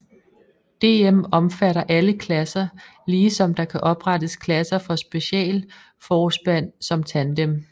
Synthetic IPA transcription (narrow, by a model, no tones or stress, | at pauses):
d̥e̝ːemɒ̽mfæɾɐʔæləkʰlæsɐ | liːsɒ̽md̥ɑ̈kʰæʔɒ̽b̥ʁɑ̈dəskʰlæsɐfɒ̽sb̥e̝ɕɛ̰ːl | fɒːsb̥æn̰sɒ̽mt͡sʰænd̥em